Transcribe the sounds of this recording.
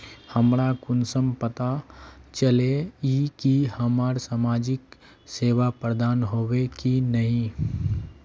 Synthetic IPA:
həmɾakʊnsəmpət̪at͡ʃəleikihəmaːɾsaːmaːd͡ʒɪk | seːʋapɾəd̪aːnɦowekinəɦĩ

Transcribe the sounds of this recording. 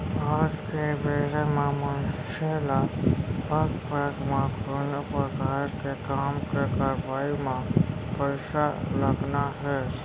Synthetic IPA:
aːd͡ʒkeʋeːɾəmẽmənʃeːlapəɡpəɡmãɡʱʊɾnpɾəkaːɾkekaːmkekaːɾʋaːimãpəɾsaləɡnaɦɛ

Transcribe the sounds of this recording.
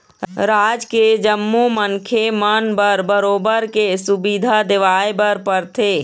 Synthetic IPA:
ɾaːd͡ʒked͡ʒəmːumənkʰemənbəɾbəɾoːbəɾkesʊbid̪ʱad̪eʋaːebəɾpəɾt̪ʰeː

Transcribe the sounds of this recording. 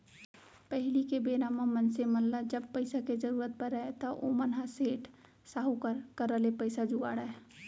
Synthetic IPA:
pɛɦlikebeːɾaːmamənsemɐllad͡ʒɐbpəɪsaked͡ʒəɾuːɾət̪̚pəɾəet̪oʔomənɦaseːʈʰ | saːɦukəɾkəɾəlepəɪsad͡ʒuʋaːɽae

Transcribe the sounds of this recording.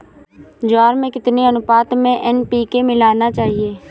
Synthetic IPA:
d͡ʒaːɾmẽːkɪt̪neənʊpaːt̪mẽʔɛnpiːkemɪlaːnaːt͡ʃaːɦieː

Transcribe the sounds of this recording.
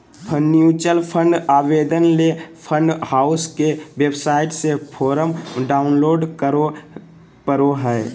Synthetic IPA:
pʰənjuːt͡ʃəlpʰə̃ɳɖaːʋeːd̪ənlepʰə̃ɳɖhaːʊskeʋebsaːɪʈsepʰoːɾəmɖaːʊnloːɖko | pəɾoɦɛː

